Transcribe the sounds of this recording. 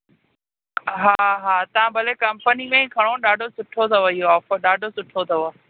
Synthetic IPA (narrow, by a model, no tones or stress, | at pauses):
ɦaːɦaːt̪ɐʋ̤ãbʱɐlekɐmpənimẽkʰɐɽ̃oɗaːɖʱosʊʈʰot̪ʰɐʋɐɦijoɔːfəɗaːɖʱosʊʈʰot̪ʰɐʋo